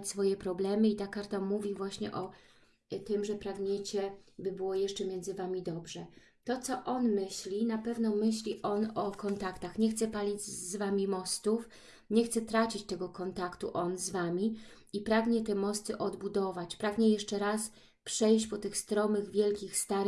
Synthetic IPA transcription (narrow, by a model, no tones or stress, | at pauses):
t͡ɕʲsfɔjɛpɾɔblɛmɘit̪akaɾt̪amuvʲivwaɕɲɛ̰ʔɔ | t̪ɘmʐɛpɾaɡɲɛt͡ɕɛbɘbɘwɔjɛʂt͡ʂɛmʲjɛndzɘvamʲid̪ɔbʐɛ | t̪ɔt̪sɔʔɔnmɘɕlʲinapɛvnɔmɘɕlʲiʔɔnɔkɔnt̪akt̪axɲɛxt̪sɛpalʲid͡ʑzvamʲimɔst̪uf | ɲɛxt̪sɛt̪ɾat͡ɕit͡ɕt̪ɛɡɔkɔnt̪akt̪uʔɔnzvamʲi | ipɾaɡɲɛt̪ɛmɔst̪ɘʔɔd̪bud̪ɔvat͡ɕpɾaɡɲɛjɛʂt͡ʂɛɾas | pʂɛjɕt͡ɕpɔt̪ɘxst̪ɾɔmɘɣvʲjɛlkʲixst̪aɾ